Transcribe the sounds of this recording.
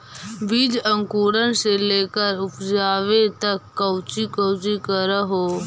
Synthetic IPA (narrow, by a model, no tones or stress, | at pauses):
bid͡ʒə̃ŋkuːɽənseleːkəɾʊpd͡ʒaːʋet̪ɐkːɐʊt͡ʃikəʊt͡ʃikəɾəɦoː